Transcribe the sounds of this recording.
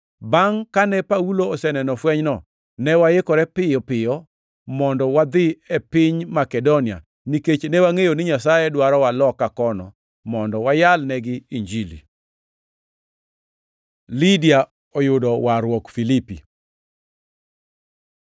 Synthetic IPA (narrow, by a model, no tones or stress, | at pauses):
baŋkanɛpauloːsɛnɛnɔfwɛɲnɔ | nɛwaɪkɔɾɛpɪjɔpɪjɔ | mɔndɔwad̪ɪɛpɪɲmakɛdonia̰ | niket͡ʃnɛwaŋejonɪɲasajɛdwaɾɔwalɔkːakɔnɔ̰ | mɔndɔwajalnɛɡɪiɲd͡ʒilḭ | lidia | ɔjʊdɔwaɾwɔkfilipi